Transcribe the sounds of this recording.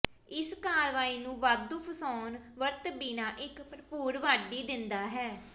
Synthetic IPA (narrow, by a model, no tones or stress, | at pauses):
ɪskaːɾʋaːiːnũːʋaːd̪uːpʰəsɔːnʋəɾt̪biːnaːʔɪkpɾəpuːɾʋaːɖiːd̪ɪnd̪aːɦɛː